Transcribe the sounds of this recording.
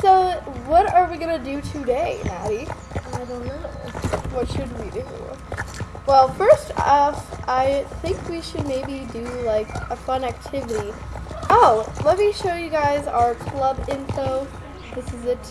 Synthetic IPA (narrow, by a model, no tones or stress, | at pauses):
soʊwʌɾə˞wiɡʌnɨdɨɾʰɨdeɪnæ̰ɾi | aɪdõʊ̃nːoʊ̰wʌtʃɨd̚widɨ̰ | wɛlˠfɜ˞stʌfʔaɪθɪ̃ŋkwiʃɨd̚meɪbidɨlaɪkəfʌ̃næk̚tʰɪvɨɾiʔoʊlɛt̚miʃoʊjɨɡaɪza̰ʊə˞kʰl̥ʌbɪ̃nfoʊ | ðɪsɨzɨt